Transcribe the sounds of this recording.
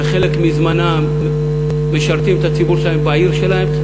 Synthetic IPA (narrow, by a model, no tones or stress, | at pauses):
χe̞le̞kmizmana | me̞ʃaʁt̪imet̪at͡sibuʁʃelaembaiʁʃe̞lahem